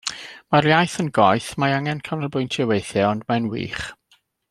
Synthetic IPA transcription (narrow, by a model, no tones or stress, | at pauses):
maɾjajθənɡɔɨθmaaŋɛnkʰanəlˠbʊɨntʰɛwejθjɛɔndmanwḭːχ